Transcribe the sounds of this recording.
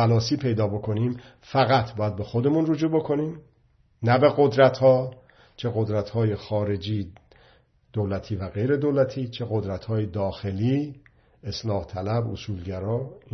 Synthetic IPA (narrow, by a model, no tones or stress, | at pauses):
ælɒːsiːpʰe̞jd̪ɒːbo̞kʰo̞niːm | fæɣæt̪ʰbɒːjæd̪̚be̞xo̞d̪e̞munrod͡ʒuːbo̞kʰo̞niːm | næbe̞ɣo̞d̪ɾæt̪hɒː | t͡ʃʰe̞ɣo̞d̪ɾæt̪hɒːje̞xɒːɾe̞d͡ʒiː | d̪̥olæt̪ʰiːvæɣe̞jɾe̞d̪olæt̪ʰiːt͡ʃʰe̞ɣo̞d̪ɾæt̪ʰhɒːjed̪ɒːxe̞liː | eslɒːht̪ʰælæbosuːlɟæɾɒː